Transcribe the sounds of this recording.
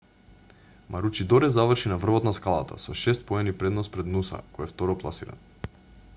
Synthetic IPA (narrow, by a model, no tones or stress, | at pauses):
mʔaɾut͡ʃid̪ɔɾɛzavr̩ʃinavr̩vɔt̪naskalˠa̰t̪a̰sɔʃɛst̪̚pɔɛnipɾɛd̪nɔspɾɛd̪nusa̰kɔjɛft̪ɔɾɔplˠa̰siɾa̰n